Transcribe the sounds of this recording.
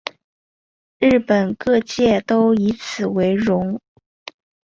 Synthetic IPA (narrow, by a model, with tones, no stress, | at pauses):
ɻ̩˥˩pə˨˩nkɤ˥˧t͡ɕjɛ˥˩t̪o˥ʊi˧˥t͡sʰɹ̩˨˩we˧˥ɪɻʊ˧˥ŋ